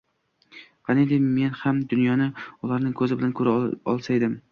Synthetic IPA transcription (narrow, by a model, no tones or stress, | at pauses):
qʰɑned̪ɪme̞nhamd̪ʊnjɒnɪʊlaɾnɪŋkʰɵzɪbɪlankʰɵɾaɒlˠsajd̪ɪm